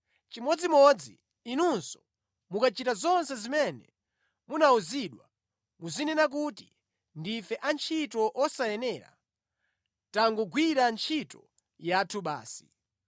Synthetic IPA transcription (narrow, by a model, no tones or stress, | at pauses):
t͡ʃimɔd͡zimɔd͡zi | inunsɔ̥ | mukat͡ʃitazɔnsɛzimɛnɛ | munauziɗwa | muzinɛnak̬uti | ndifɛʔant͡ʃʰitɔʔɔsajɛnɛɾa̰ | taŋɡuɡwiɾant͡ʃʰitɔ | jatʰuɓa̰ːsi̥̰